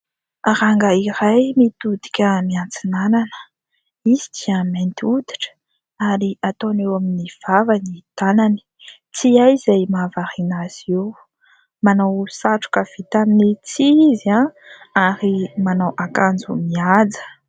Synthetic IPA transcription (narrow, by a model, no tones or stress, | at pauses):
aɾaŋɡəiɾajmit̪ud̪i̥kʲəmiant͡sinananə̥ | izid̪iament̪iud̪i̥ʈ͡ʂə̥ | aɾiat̪onewaminiv̥avanit̪anani̥ | t͡siajzajmavaɾinaz̥ew | manawsaʈ͡ʂu̥kəv̥it̪aminit͡siizia | aɾimanawʔakand͡zṵmiad͡zə̥